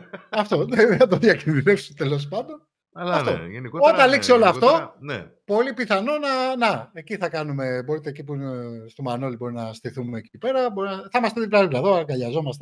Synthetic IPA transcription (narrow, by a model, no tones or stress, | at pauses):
ɐft̪o̞ðeɐt̪̬oðjɐcinðinefsut̪e̞lo̞s̬pɐnd̪on | ɐft̪o̞niot̪ɐliksio̞loɐft̪o̞n | po̞lipiθɐno̞nɐnɐeciθɐkɐnume̞bo̞ɾit̪eːcipust̪omɐno̞libo̞ɾinɐst̪iθumeːcipe̞ɾɐbo̞ɾinɐθɐmɐst̪et̪ipɾɐlivlɐðoɐŋɡɐʎɐzo̞mɐst̪e